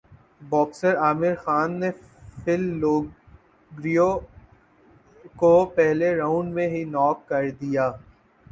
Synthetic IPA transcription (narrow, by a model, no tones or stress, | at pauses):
bɔːksəɾaːmɪɾxaːnːe | fʰɪlːoː | ɡɾijo | kopɛɦleɾãːʊɳɖmẽɦinɔːp̚kɐɾd̪ijaː